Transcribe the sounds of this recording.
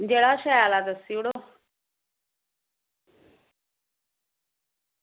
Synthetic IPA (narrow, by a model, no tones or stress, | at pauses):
d͡ʑeɽaɕajalad̪əsiɽo